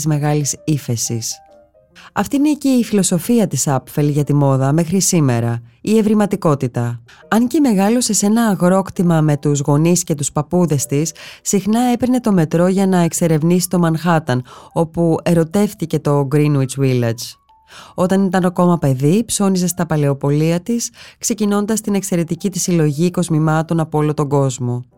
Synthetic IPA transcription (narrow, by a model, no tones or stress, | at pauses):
zme̞ɣɐlisife̞sḭs | ɐ̰ft̪iine̞ce̞ifilo̞so̞fiɐt̪isɐpfelʝɐt̪imo̞ðɐme̞xɾisime̞ɾɐie̞vɾimɐt̪iko̞t̪it̪ɐ | ɐnce̞me̞ɣɐlose̞se̞nɐːɣɾo̞kt̪imɐme̞t̪uzɣo̞nisce̞t̪uspɐpuðe̞st̪issːixnɐe̞peɾne̞t̪o̞me̞t̪ɾo̞ʝɐnɐe̞kse̞ɾe̞vnisi̥t̪o̞mɐnxɐt̪ɐno̞pue̞ɾo̞t̪e̞fθice̞t̪o̞ɡɾinwit͡svilɐd͡ʒ | o̞t̪ɐnit̪ɐnoko̞mɐpe̞ðipso̞nisest̪ɐpɐle̞o̞po̞liɐt̪iskse̞cino̞nd̪ɐst̪ine̞kse̞ɾe̞t̪icit̪isilo̞ʝiko̞zmimɐt̪o̞nɐpoolot̪o̞ɡo̞zmo̞